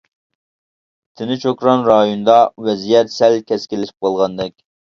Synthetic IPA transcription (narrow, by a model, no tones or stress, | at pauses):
t̪ʰɪnɪt͡ʃʰokɾɑnɾɑjund̪ɑwɛzijɛt̪sɛlkʲɛskʲɪlɪʃɪ̥p̚qʰɑlˠʁɑnd̪ɛkʲ